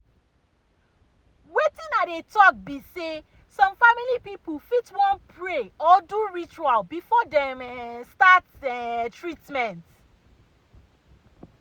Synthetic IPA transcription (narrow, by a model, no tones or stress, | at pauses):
wetĩnadetɔk̚bise | sɔ̃mfamilipipufitwɔ̃npʰɹeɔduɹit͡ʃualbifɔdɛ̃mstatɛtɹitmɛ̃nt